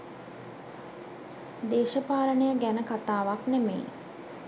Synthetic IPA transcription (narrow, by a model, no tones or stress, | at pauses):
d̪eːʃəpaːɾənəjəɡænəkat̪aːʋaknemḛː